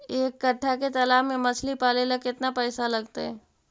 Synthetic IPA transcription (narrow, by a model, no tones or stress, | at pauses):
eːkːɐʈʰːaket̪ɐlaːmẽmɐsʰlipaːlelɐkɪt̪napɛːsalɐɡt̪aɦɛː